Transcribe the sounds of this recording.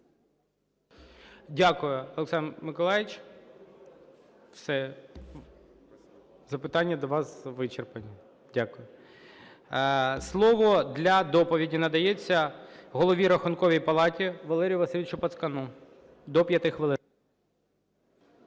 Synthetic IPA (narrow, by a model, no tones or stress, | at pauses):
dʲakʊjʊɔlˠeksɑnmɪkɔlˠɑjɪt͡ʃ | wsɛ | zɐpɪt̪ɑnʲːɐd̪ɔʋɑsʋɪt͡ʃerpɐnʲi | dʲakʊjʊ | slˠɔʋɔd̪lʲɐd̪ɔpɔʋʲidʲinɐd̪ɐjɛt͡sʲːɐɦɔlˠɔʋʲiɾɐxʊnkɔʋʲijpɐlˠɑtʲiʋɐlˠɛɾʲijʊʋɐsɪlʲɪt͡ʃʊpɐt̪skɐnu | d̪ɔpʲjɐt̪ɪxʋɪlˠɪ